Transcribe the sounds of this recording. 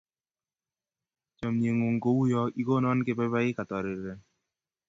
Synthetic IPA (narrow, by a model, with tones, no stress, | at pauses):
t͡ʃɔ˨mɲe˨ŋo˨ŋ˨ko˦wu˦jɔ˦i˦ko˦nɔ˦nkɪ˦bɛ˦ba˦ɪ˦ka˨tɔ˨ɾɪ˨ɾɛ˨